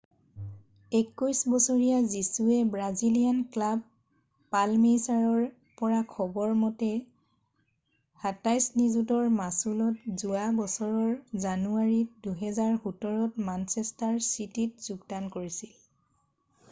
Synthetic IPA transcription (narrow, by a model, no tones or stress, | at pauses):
ekːujsbɔsɔɹijazisuɛbɹazilijanklab̚ː | almesaɹɔɹ | pɔɹakʰɔbɔɹmɔtɛ | hatajsnizutɔɹmasulɔtzuabɔsɔɹɔɹzanuaɹiduɦɛzaɹhutɔɹɔtmansɛstaɹsititz̥uɡdankoɹisil